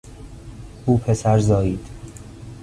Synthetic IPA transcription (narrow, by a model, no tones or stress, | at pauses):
uːpʰe̞sæɾzɒːjiːd̪̥